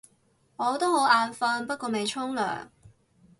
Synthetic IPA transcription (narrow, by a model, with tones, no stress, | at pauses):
ŋɔː˨˧˥t̪o˥who˨˥waː˨˧nfɐ˧npɐ˥t̚kɔː˧me˨jt͡ʃʰʊ˥ŋlœ̰ː˨˩ŋ